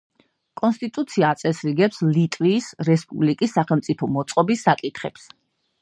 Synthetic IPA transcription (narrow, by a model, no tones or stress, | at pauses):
kʼɔnst̪ʼit̪ʼut̪sʰiaːt̪sʼɛsɾiɡɛpslit̪ʼviːsɾɛspʼublikʼisːaχɛlˠmt̪sʼipʰɔmɔt̪sʼqʼɔbisːakʼit̪ʰχɛps